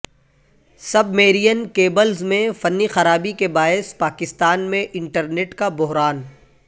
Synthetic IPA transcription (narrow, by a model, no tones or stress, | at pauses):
sɐbmeːɾijənkeːbəlzmẽfɐnːixɐɾaːbikebaːɪspaːkɪst̪aːnmẽʔɪ̃ɳʈəɾneːʈkabʊɦɾaːn